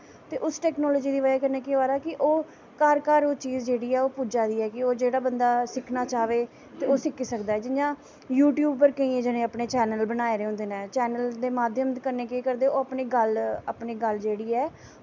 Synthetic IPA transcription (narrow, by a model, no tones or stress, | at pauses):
t̪eːʔʊsʈɛːknɔːlɔːd͡ʒiːd̪iːʋad͡ʒaːkəɾneːkeːʋaːɾaːkɪʔoː | kaːɾkaːɾoːt͡ʃiːzd͡ʒeːɽiːɛːoːpud͡ʒaːd̪iːɛːkɪoːd͡ʒeːɽaːbənd̪aːsɪkʰnaːt͡ʃaːʋeː | t̪eːoːsɪkiːsəkd̪aːɛːd͡ʒɪjãː | juːʈjuːb̚pəɾkəĩːẽːd͡ʒənẽːəpneːt͡ʃɛːnəlbənaːeːɾeːʊ̃ːnd̪eːnɛːt͡ʃɛːnəld̪eːmaːd̪ʱjəmt̪kəɾneːkeːkəɾd̪eːoːəpneːɡələpneːɡəld͡ʒeːɽiːɛː